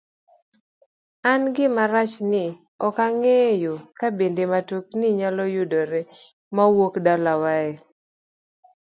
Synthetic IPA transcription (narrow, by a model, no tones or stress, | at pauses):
anɡɪmaɾat͡ʃnɪ | ɔkaŋejokabendematuk̚nɪɲalɔjudɔɾe | mawokdalawae